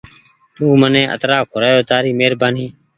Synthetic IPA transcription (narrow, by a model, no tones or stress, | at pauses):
t̪uːmənẽːʔə̰t̪ɾaːkʰʊɾaːjoːt̪aːɾiːmeːɾbaːniː